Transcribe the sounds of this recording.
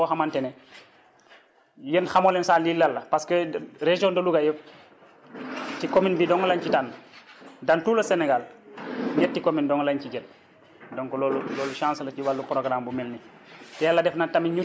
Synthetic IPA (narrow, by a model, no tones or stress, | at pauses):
ɔxamantene | jenxamolensalilːɐlːɐpaskəɾeʒiondoluɡajə | tikominbidɔŋlaɲt͡ʃitanː | dantuːlɐseneɡalɲɛt̚tːikomindɔŋlaɲciɟet̚ | dɔŋkololulɔːluʃãːnslɐt͡ʃiwalːupɾoɡɾambumelni | tɛjalːɐdɛfnatamiɲu